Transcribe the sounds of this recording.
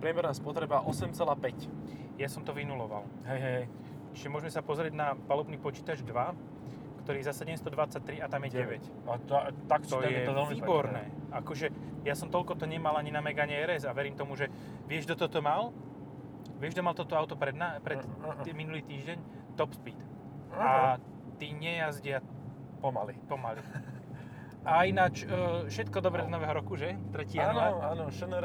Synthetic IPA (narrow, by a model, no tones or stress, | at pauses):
pɾɪɛmɛɾnaːspɔt̪ɾɛbaʔɔsɛmt͡sɛlaːpɛc | jasɔmt̪ɔʋinulɔʋa̰l | ɦɛjɦɛ | t͡ʃi̥ʒɛmʊɔʒɛmɛsapɔzɾɪɛɟnapalɔbniːpɔt͡ʃiːt̪ad͡ʒd̪ʋa | kt̪ɔɾiːɛzasɛɟɛmst̪ɔd̪ʋat͡sac̚t̪ɾiat̪amjɛɟɛʋɛc | at̪t̪akt͡ʃɔajɛɛlmiːbɔɾnɛːakɔʒɛjasɔmt̪ɔlkɔt̪ɔɲɛmalaɲinamɛɡaɲɛɛɾɛzaʋɛɾiːmt̪ɔmuʒɛ | ʋɪɛʒd̪ɔt̪ɔt̪ɔmal | ʋɪɛʒd̪ɔmalt̪ɔt̪ɔaʊt̪ɔpɾɛd̪napɾɛminuliːt̪iːʒɟɛɲ | t̪ɔpspit̪ | a | t̪iɲɛjazɟɪa | pɔma̰lipɔmali | ainat͡ʃːfʃɛt̪kɔd̪ɔbɾɛznɔʋɛːɦɔɾɔkuʒɛt̪ɾɛcɪaɦɔmaaːnɔʃɛnɛɾ